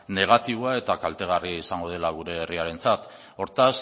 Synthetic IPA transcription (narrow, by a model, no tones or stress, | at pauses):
ne̞ɣ̞at̪iβ̞oae̞t̪akalt̪e̞ɣ̞ariaisaŋɡo̞ð̞e̞laɣ̞uɾe̞ːriaɾe̞nt͡sat̪ | o̞ɾt̪as